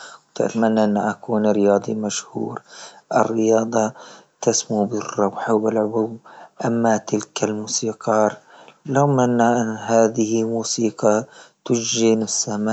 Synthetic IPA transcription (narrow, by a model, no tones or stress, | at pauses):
wt̪ɪ̰t̪manːaʔɪnːaʔakuːnɾɪjɑːd̪ˤimaʃhṵːɾʔɪ̰rːɪjɑːd̪ˤɑt̪asmubɪrˤːɑwħbɪlʕʊbuwʔamːat̪ɪlkʰalmuːsiːqɑːɾˤlawmanːaʔɪnːɦaːðɪhɪmuːsiːqɑt̪ʊd͡ʒd͡ʒinɪsːamaː